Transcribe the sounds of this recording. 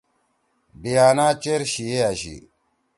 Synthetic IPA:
bijaːnaːt͡ɕeɾɕieaɕḭ

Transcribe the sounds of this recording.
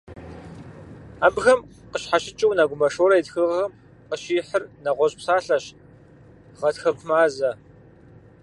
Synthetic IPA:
aːbɣɐmqəɕħaɕɪt͡ʃʼɪwnaɡʷʊmɐʂoːɾɐjtxɨʁɐm | qəɕiːħərnɐʁʷɔɕʼpsaːɬɐɕ | ʁɐtxɐkʷʰʊmaːzɐ

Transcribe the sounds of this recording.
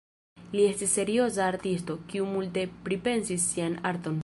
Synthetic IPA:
lie̞stisːe̞ɾio̞s̬aːɾtisto̞kiumulte̞pɾipe̞nsisːianaɾt̪o̞n

